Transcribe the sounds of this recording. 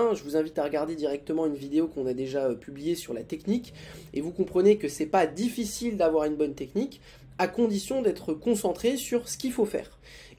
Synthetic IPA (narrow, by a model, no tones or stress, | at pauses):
ʒəvuzɛ̃vit̪aʁəɡaʁd̪ed̪iʁɛk̚t̪əmɑ̃ynvid̪eokɔ̃nad̪eʒaøpʰyblijesyʁlat̪ɛknikevukɔ̃pχənekəsɛpad̪ifisild̪avwaʁynbɔnt̪ɛknik | akɔ̃d̪isjɔ̃d̪ɛt̪χəkɔ̃sɑ̃t̪χesyʁsə̥kʲifofɛ̰ːʁ